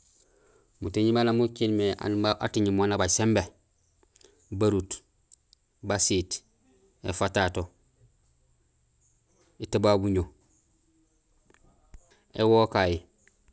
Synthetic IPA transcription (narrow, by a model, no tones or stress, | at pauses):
mutiɲimalamukinmeʔa̰nmaʔatiɲimonabasembe | baɾut | basiːt | ḛfatato | etebabuɲo | ewokaji